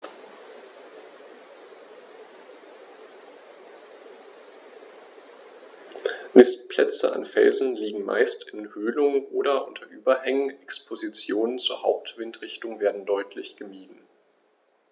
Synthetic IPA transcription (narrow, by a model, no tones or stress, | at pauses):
mɪstpʰl̥ɛt͡sə̰ʔa̰nfɛ̰lzn̩liːɡŋ̩ma̰ɪstɪnhøːlʊŋəʔoːɾɐʔʊntʰɐʔyːbɐhɛŋənɛkspʰozit͡sjoːnənt͡suːɐhaʊp̚tv̥ɪntʁ̥ɪçtʊŋveːɐdn̩dɔʏtʰlɪçɡ̥əmiːdn̩